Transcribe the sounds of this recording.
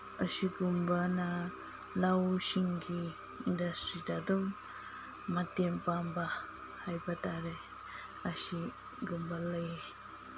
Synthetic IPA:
əsiɡumbana | lawsiŋɡiː | ndastɾidadɔm | matɛmpamba | hajbataɾe | asi | ɡumbaləje

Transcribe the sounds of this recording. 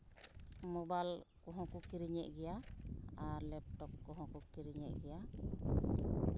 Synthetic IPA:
mɔbalkɔɦɔ̃kukiɾiɲɛʔ̚ɡɛjaaɾlɛp̚ʈɔkːɔɦɔ̃kukiɾiɲɛʔ̚ɡɛja

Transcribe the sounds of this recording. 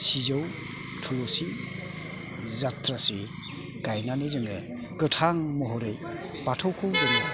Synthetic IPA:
sizaw | tʰuwɔsi | zatɾasi | ɡ̥ajnanezɯŋɡe | kɯtʰaŋmɔɦɔɾej | patʰowkʰuwzɯŋɯ

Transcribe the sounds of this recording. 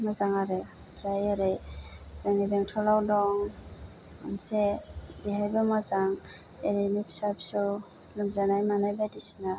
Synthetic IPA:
mazaŋaɾej | pʰɾajaɾejsaŋnibeŋtʰɔlawdɔŋ | a̰nsebiɦajbamazaŋ | eɾinipʰi̥sapsu | luŋzanajmanajbadisina

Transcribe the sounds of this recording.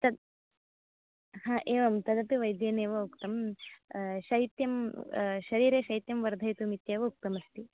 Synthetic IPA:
t̪ɐd̪ | hãːʔeːʋɐmt̪ɐd̪ɐp̪iʋɐjd̪jeːneːʋɐukt̪ɐm | ʃɐɦit̪jɐmʃɐɾiːɾeːʃɐɦit̪jɐmʋɐɾd̪ʱɐjt̪umit̪jeːʋɐuk̚t̪ɐmɐst̪i

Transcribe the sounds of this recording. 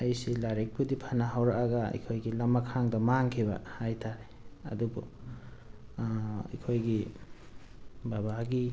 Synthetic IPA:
ɐjsilaɾek̚pʰudipʰanaɦawɾakaɡɐɐ̰kʰojɡilɐmːakʰaŋdɐmaŋkʰibɐ̰hajtʰaɾe | ɐ̰dubṵ | kʰojɡi | babaɡi

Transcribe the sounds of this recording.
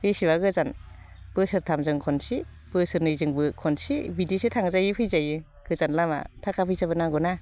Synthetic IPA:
esibaɡɯzan | b̥ɯsɯɾtʰamzɯŋkʰɔnsi | b̥ɯsɯɾnɯjzɯŋbɯkʰɔnsibidisetʰaŋzajɯpʰɯjzajɯ | ɡ̥ɯzanlama̰tʰakʰapʰɯjsabɯnaŋɡɔna

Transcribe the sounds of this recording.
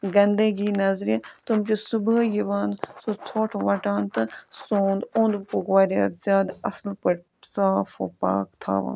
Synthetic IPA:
ɡɐnd̪eɡiːnɐzɾet̪umt͡ʃosʊbəjiʋaːnsot͡sʰoːʈʰʋɐʈaːnt̪ɨsoːnd̪õnd̪puɡʋaːɾa̰ːt̪zjaːd̪ɐslpəʈ | saːfʰo̰ːpa̰ːkt̪ʰa̰ːʋã̰ːn

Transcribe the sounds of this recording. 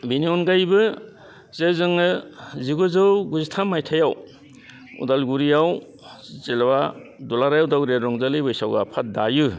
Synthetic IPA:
biniɔnɡajbɯ | zezɯŋɯziɡozɯwɡuzitʰamːajtʰajaw | ṵdalɡuɾijaw | zelbadulaɾajawdawɾeɾɔŋzalɯjbɯjsawɡapʰat̚dajɯ

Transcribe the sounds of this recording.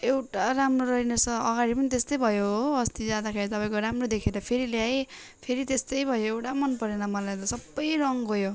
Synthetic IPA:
ewʈaramroɾʌɦinesʌʌɡaɾipʌnit̪est̪ʌjbʱʌjoɦoʌst̪id͡zad̪akʰeɽit̪ʌpaj̃koɾamrod̪ekʰeɾʌpʰeɾiljaj | pʰeɾit̪est̪ʌjbʱʌjoewʈamʌnpʌɾenʌmʌlajt̪ʌsʌbːʌjrʌŋɦojo

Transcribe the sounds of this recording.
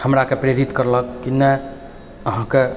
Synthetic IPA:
həmɾakepɾeɾit̪kəɾləkːine | əɦãke

